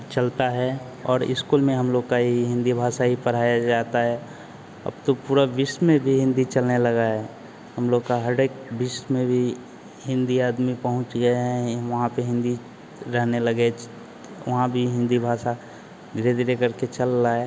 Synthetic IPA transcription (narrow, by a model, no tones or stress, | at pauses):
t͡ʃəlt̪aɦɛ | ɔ̰ːɾɪ̰skuːlmẽɦəmloːɡkaɦiɦɪ̃nd̪ibʱaːsaɦipəɾ̤aːjad͡ʒaːt̪aɦɛ | ɐ̰bt̪opuːɾabɪsmẽbʱiɦɪ̃nd̪it͡ʃəlnelɐɡaɦɛ | ɦəmloːɡkaɦəɖekbɪsmẽbʱi | ɦɪ̃nd̪iaːd̪mipəɦʊ̃t͡ʃɡɐeɦɛ̃ʋɐɦãpeɦɪ̃nd̪i | ɾɛɦnelɐɡe | ʋɐɦãbʱiɦɪ̃nd̪ibʱaːsa | ɡɪɾed̪ɪɾekəɾket͡ʃəlːaːe